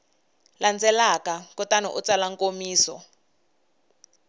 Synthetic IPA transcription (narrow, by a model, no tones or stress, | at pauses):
land͡zɛlakakɔtanɔ̰ʔut͡salaŋkomiːsɔ̰